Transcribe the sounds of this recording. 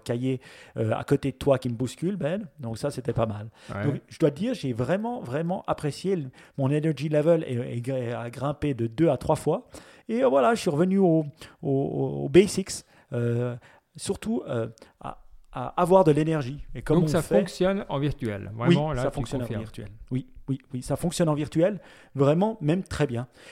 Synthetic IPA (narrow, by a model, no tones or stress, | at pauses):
kajeøa̰kot̪ed̪ət̪wakʲiməbuskʲylbɛnd̪ɔ̃ksaset̪ɛpamald̪ɔ̃kʒəd̪wad̪iːʁʒevʁɛmɑ̃vʁɛmɑ̃ʔapχesjemɔ̃nenɛʁʒilɛvəlḛḛɡeaɡʁɛ̃ped̪əd̪øat̪χwafwaevwalaʒəsiʁəvənyoo̰o̰bɛsiks | ø | syʁt̪uøa̰aːvwaʁd̪əlenɛʁʒiekɔ̃mɔ̃safɛɔksjɔnɑ̰̃viʁt̪yɛ̰lvʁɛwĩsafɔ̃ksjɔñiʁt̪ɥɛ̰lwiwiwisafɔ̃ksjɔnɑ̃viʁt̪yɛl | vʁɛmɑ̃mɛmt̪χɛbjɛ̃